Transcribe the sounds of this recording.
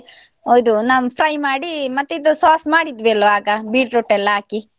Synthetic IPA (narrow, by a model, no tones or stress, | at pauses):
oid̪unaːʋpʰɾɐjmaːɽimɐt̪ːid̪usoːsmaːɽid̪ʋiɛlːoaːɡɐbiːʈɾoʈːɛlːɐaːki